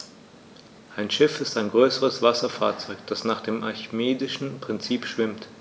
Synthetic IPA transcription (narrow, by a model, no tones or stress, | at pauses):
ʔaɪnʃɪfɪstaɪnɡʁøːsəʁəsv̥asɐfa̰ːɐt͡sɔʏkd̥asnaːχd̥eːmʔaçmeːdɪʃn̩pʁ̥ɪnt͡siːpʃv̥ɪmt